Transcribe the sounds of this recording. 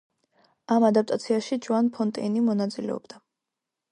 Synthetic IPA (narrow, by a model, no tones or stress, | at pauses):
amad̪ap̚ʼt̪ʼat̪sʰiaʃid͡ʒuanpʰɔnt̪ʼɛnimɔnat̪sʼilɛ̰ɔ̰bd̪̥a